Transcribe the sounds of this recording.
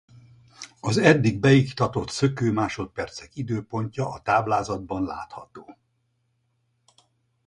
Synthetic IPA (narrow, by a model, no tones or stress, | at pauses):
ɒzɛd̪ːiɡ̚bɛjikt̪ɒt̪o̞t̪sø̞køːmaːʃo̞t̪̚pɛrt̪sɛkid̪øːpo̞ɲcɒʔːt̪aːblaːzɒd̪̚bɒnla̰ːt̪hɒt̪oː